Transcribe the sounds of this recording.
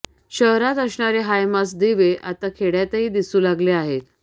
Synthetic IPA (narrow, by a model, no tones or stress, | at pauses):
ɕəɦɾat̪əsɳaɾeɦajmas̬d̪iʋeʔat̪akʰeɽjat̪əɦiːd̪isuːlaɡleaɦet̪